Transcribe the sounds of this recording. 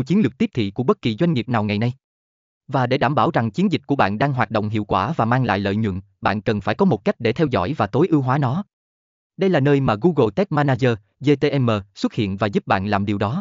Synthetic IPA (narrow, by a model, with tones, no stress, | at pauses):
t͡ɕi˨˦ənlɨ˨˩k̚t̪i˦˥p̚t̪ʰḭ˧˨ku˧˩əɓə˦˥t̚ki˨˩zwa˧jŋ̟ŋi˨˩əp̚naː˨˩wŋa˨˩jna˧j | vaː˨˩ɗe˧˩ɗaː˧˩mɓaː˧˩wza˨˩ŋt͡ɕi˨˦ənzi˨˩k̟̚ku˧˩əɓa̰ː˧˨nɗaː˧ŋɦwaː˨˩t̚ɗo̰˧˨wŋ͡mɦḭ˧˨əwkwaː˧˩vaː˨˩maː˧ŋla̰ː˧˨jlə̰ː˧˨jɲwə̰˧˨n | ɓa̰ː˧˨nkə˨˩nfaː˧˩jkɔ˨˦mo˨˩t̚ka˦˥jk̟̚ɗe˧˩t̪ʰɛ˧wzɔ̰˧˩jvaː˨˩t̪o˨˦jʔɨ˧əwɦwaː˨˦nɔ˨˦ | ɗə˧jlaː˨˩nəː˧jmaː˨˩ɣu˧ɣo˨˧t̪ɛ˦˥k̚maː˧naː˧zəː˧ | ze˧t̪e˧ʔɛ˧mːəː˨˩swə˦˥t̚hḭ˧˨ənvaː˨˩zu˦˥p̚ɓa̰ː˧˨nlaː˨˩mɗi˨˩wɗɔ˨˦